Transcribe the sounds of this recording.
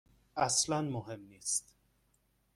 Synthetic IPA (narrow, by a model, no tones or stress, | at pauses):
ʔæslænmoɦe̞mniːst̪